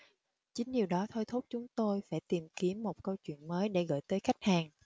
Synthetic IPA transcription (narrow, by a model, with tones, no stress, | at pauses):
t͡ɕï˨˦ŋ̟ɲi˨˩əwɗɔ˨˦t̪ʰo˧jt̪ʰo˦˥t̚t͡ɕʊ˨˦ŋ͡mt̪o˧jfaː˧˩jt̪i˨˩mki˨˦əmːo˨˩t̚kə˧wt͡ɕwḭ˧˨ənməː˨˦jɗe˧˩ɣə̰ː˧˨jt̪əː˨˦jxa˦˥jk̟̚haː˨˩ŋ